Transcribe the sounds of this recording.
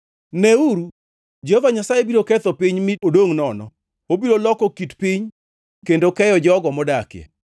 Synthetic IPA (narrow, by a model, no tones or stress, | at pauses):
nɛuɾu | d͡ʒehovaɲasajebiɾokɛt̪ɔpiɲmɪodoŋnɔnɔ̰ | obiɾolɔkɔkitpiɲ | kendokɛjɔd͡ʒɔɡɔmɔdakɪjɛ̰